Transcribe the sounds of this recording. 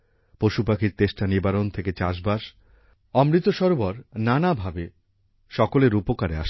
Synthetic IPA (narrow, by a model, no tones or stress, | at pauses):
poʃupakʰiɾt̪eʃʈaniɾbaɾont̪ʰeket͡ɕaʃbaʃ | ɔmɾit̪oʃɔɾboɾnanabʱabe | ʃɔkoleɾupokaɾea̰ʃ